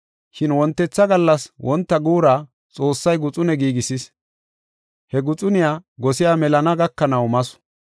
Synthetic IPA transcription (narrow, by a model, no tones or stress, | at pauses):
ʃɪnwɔnt̪ːɛt͡sːɐɡɐlːɐswʔɔnt̪ːɐɡuːɾaː | t͡sʼoːsːɐjɡʊt͡sʼʊnɛɡiːɡɪsɪs | hɛɡʊt͡sʼʊnɪjaːɡɔsɪjaːmɛlɐnɐɡɐkːɐnɐwmɐsʊ̥